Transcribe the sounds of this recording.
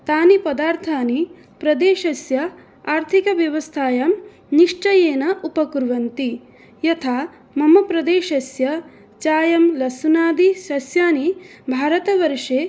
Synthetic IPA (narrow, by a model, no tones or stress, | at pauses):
t̪aːnipɐd̪aːɾt̪ʰaːni | pɾɐd̪eːʃɐsjɐ | aːɾt̪ʰikɐʋjɐʋɐst̪ʰaːjɐːm | niʂʈɐjeːnɐʔupɐkuɾʋɐnt̪i | jɐt̪ʰaː | mɐmɐpɾɐd̪eːʃɐsjɐ | t͡ʃaːjɐmlɐsunaːd̪iʃɐsjaːnibʱaːɾɐt̪ɐʋɐɾʂeː